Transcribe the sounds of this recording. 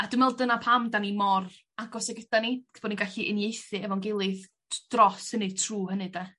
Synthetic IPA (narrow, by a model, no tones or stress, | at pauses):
ad̥ɪmɛlˠdənapʰamdanimɔr | aɡɔsɛɡəd̥anib̥ɔːdninɡaɬiʔənjejθɨɛvɔnɡɪlˠɨð | d̥rɔsənɨtʰruːhənɨda